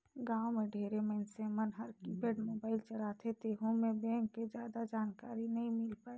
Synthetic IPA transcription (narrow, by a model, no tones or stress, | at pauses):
ɡãːomẽɖʱeːɾeməɪnsemənɦəɾkibeːɖmoːbaːɪlt͡ʃəɽat̪ʰet̪eːɦõmẽbɛ̃ːŋkːed͡ʒjaːd̪ad͡ʒaːnkaːɾinɐɦĩmɪlpaːe